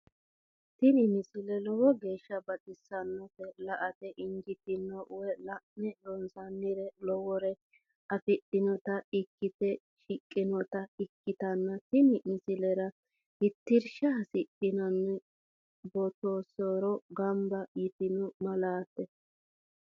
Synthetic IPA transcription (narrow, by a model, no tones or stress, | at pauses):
t̪ɪnɪmɪsɪlɛlɔwɔɡe̞ːʃːɐbɐt̪ʼɪsːɐnːɔfɛlɐʔɐt̪ɛʔɪŋɡɪt̪ɪnːɔʔʊwɛlɐʔnɛdɔnsɐnːɪɾɛlɔwɔɾɛ | ʔɐfɪt̪ːɪnɔt̪ɐɪkːɪt̪ɛ | ʃɪkʼːɪnɔt̪ɐɪkːɪt̪ɐnːɐt̪ɪnɪmɪsɪlɛɾɐ | hɪt̪ːɪɾʃɐɦɐsɪtːɪnɔnːɛ | bɔt̪oːsoɾɔɡɐmbɐjɪt̪ɪnʊmɐlaːt̪ːɛ